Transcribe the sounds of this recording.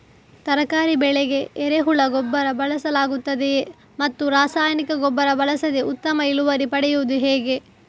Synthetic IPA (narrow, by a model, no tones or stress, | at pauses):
t̪ɐɾɐkaːɾibɛɭeɡe̞ːɾeɦuɭɐɡɔbːɐɾɐbɐlɐsɐlaːɡut̪ːɐd̪e | mɐt̪ːuɾaːsaːjɐnikɐɡɔbːɐɾɐbɐlɐsɐd̪eʔut̪ːɐmɐiluʋɐɾipɐɽɛjuʋud̪uɦeːɡe̞